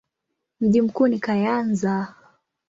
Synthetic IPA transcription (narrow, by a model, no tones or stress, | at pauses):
m̩ʄim̩kuːnikajanza